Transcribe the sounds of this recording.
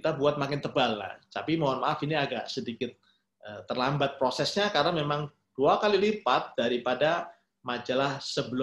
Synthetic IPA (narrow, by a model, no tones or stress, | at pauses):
kit̪abuat̪̚makɪnt̪əbalːa̰ht̪apimoanmaʔafiniaɡaʔsədikɪt̪̚ | ʔət̪ːərlambat̪̚pɾosɛsɲakarənamemaŋ | d̥uakalilipat̪̚d̥aɾipada | mad͡ʒalahsəbəl